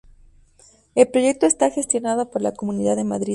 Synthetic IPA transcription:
e̞lpɾo̞ʝe̞k̚t̪oest̪axe̞st̪jo̞naðo̞po̞ɾlako̞mũniðaðe̞maðɾi

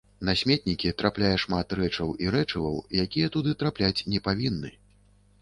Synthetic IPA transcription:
nasʲmʲɛt̪̚nʲikʲit̪ɾaplʲajɐʂmat̪rɛt͡ʂɐwiɾɛt͡ʂɐvɐ̰wjakʲijɐt̪ud̪ɨt̪ɾaplʲat͡sʲnʲɛpavʲinːɨ

